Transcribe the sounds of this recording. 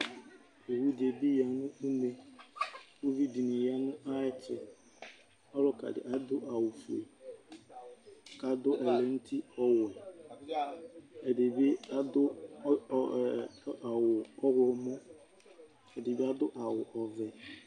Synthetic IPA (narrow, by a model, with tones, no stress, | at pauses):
o˨wu˦de˨bi˦ja˨nʊ˦u˦me˦ | o˦vi˦di˨nɪ˨ja˦nʊ̃˦ʔa˦ɪ˦t͡ʃɪ̰˦ | ɔ˦ɾʊ˦ka̰˨dɪ̰˨ʔa˦dʊ˦ʔa˨wu˨fu˨ḛ˨ | ka˨dʊ˦ʔɛ˨lɛ˨n̩˦ti˦ɔ˦wɛ˨ | e˨de˨be˦a˦dʊ˦˨ | wʊ˨ɔ˦ɣʷɔ˦ɔ˨mɔ˦ | e˨de˨bi˦a˦dʊ˦ʔa˨wʊ˨ʔɔ˨vɛ˨